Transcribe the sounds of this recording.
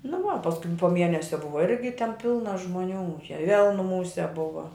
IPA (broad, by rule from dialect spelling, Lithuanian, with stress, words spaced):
nʊ ˈʋɐ pɐsˈkʊɪ poː ˈmʲiɛnʲɛsʲɛ ˈbʊʋɐ ˈɪrʲɡʲɪ tʲɛn ˈpʲɪlˠnɐ ʒmʊˈnʲuː ʃʲɛ ʋʲeːlˠ nʊˈmuːsʲɛ ˈbʊʋɐ